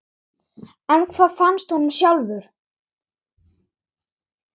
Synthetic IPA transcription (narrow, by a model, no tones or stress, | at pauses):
ɛnkʰvaːðfanst̪hunʏmsjawlðʏɾ̥